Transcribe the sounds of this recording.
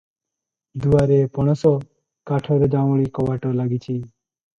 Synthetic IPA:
d̪uaɾepɔɽ̃ɔsɔ | kaʈʰɔɾɔd͡ʒaʋɭikɔʋaʈɔlaɡit͡ʃʰi

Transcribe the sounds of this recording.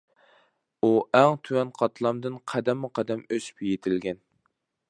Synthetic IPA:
uʔæŋt̪ʰywɛnqʰɑt̪ʰlˠɑmd̪ɨnqʰæd̪ɛmːuqʰæd̪ɛmøsy̥pjet̪ʰɪlɡʲɛn

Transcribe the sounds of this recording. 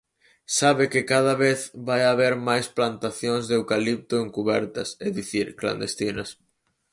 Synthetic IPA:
saβɪkɪkað̞aβeθβajaβeɾmajsplant̪aθjoŋzðewkalip̚t̪ʊeŋkuβɛɾt̪ɐseðiθiɾkla̰nd̪est̪inɐs

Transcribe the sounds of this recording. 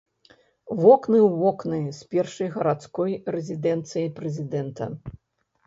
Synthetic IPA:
vɔknɨwvɔknɨjspʲɛrʂɐjɣɐɾat̪skɔjɾɛzʲid̪ɛnt̪sɨjɐpɾɛzʲid̪ɛnt̪ɐ̰

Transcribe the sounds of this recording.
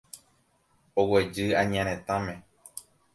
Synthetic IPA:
owed͡ʒɨãɲãɾ̃ẽt̪ãmẽ

